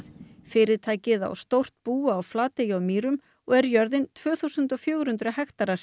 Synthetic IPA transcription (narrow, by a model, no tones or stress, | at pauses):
θfɪːɾɪðt̪ʰaːjcɪða̰wst̪owr̥t̪̚puːaːwflaːt̪ejɪawmiːɾʏm | ɔɣɛɾjœɾðɪnt̪ʰv̥œːθuwsʏnt̪ɔfjœːɣʏɾ̥ʏnt̪ɾʏhɛxt̪aɾaɾ̥